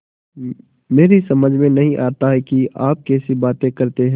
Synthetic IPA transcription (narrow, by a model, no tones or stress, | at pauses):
meːɾisɐməd͡ʒʱmẽnɐɦĩʔaːt̪aɦɛkiʔaːp̚kɛːsibaːt̪ẽkɐɾt̪eɦɛ̃